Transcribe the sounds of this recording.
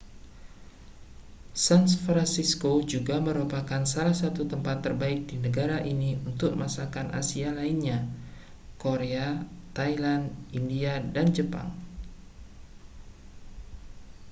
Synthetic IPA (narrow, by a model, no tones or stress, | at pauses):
sanfɾansiskod͡ʒuɡaməɾupakansalahsat̪ut̪əmpat̪ːərbaɪk̚dinəɡaɾaʔiniunt̪ʊk̚masakanʔa̰sialainɲa | koɾeat̪ailandindiadand͡ʒəpa̰ŋ